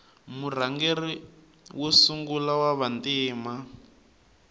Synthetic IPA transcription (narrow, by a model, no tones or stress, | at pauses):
mur̤aŋɡeri | wosuŋɡulawaβantiːma